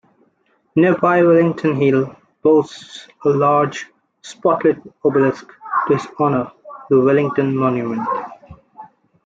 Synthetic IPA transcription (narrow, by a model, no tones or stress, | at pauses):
nibaɪwɛlɪ̃ŋʈʰə̃nɦil | b̥oːs | əlaːɾd͡ʒ | spɔʈləʈ̚obəlɪsktuɪzɔnətəwɛlɪ̃ŋʈə̃nmɔ̃njumə̃nʈ